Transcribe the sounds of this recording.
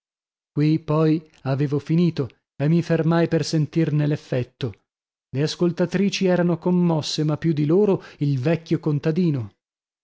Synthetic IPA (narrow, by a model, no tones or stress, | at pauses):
kwipɔj | aveːvofiniːt̪o | emːifermajpersent̪irnelefːɛt̪ːo | leaskolt̪at̪ɾiːt͡ʃiɛːɾanokomːɔsːemapːjud̪iloːɾoilvɛkʲːjokont̪ad̪iːno